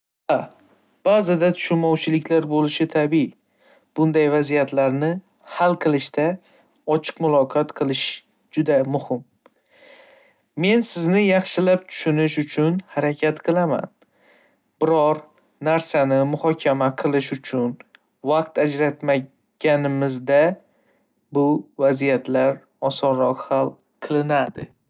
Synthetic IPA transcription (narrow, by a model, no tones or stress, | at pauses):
a | b̥azɪd̪at̪ʰʊ̥ʃʊnmɒwt͡ʃʰɪlɪkʲlaɾbolɪʃɪt̪ʰabi | b̥ʊnd̪ajvazijat̪ʰlaɾnɪ | halˠqʰɨlˠɪʃt̪a | ɒt͡ʃʰɨ̥qmʊlˠɒqʰɒt̪qʰɨlˠɪʃ | d͡ʒʊd̪amʊhɪm | me̞nsɪznɪjɑχʃɪlap̚t̪ʰʊ̥ʃʊnɪʃʊt͡ʃʰʊnhaɾakʲʰat̪qʰɨlˠama̰n | b̥ɪɾɒɾ | naɾsanɪmʊhɒkʲʰamaqʰɨlˠɪʃʊt͡ʃʰʊn | vaq̚t̪ad͡ʒɾat̪ma | ɡ̥ʲanɪmɪzd̪a | bʊvazijat̪ʰlaɾ | ɒsɒɾɒqhalˠ | qʰɨlˠɪnad̪ɪ̰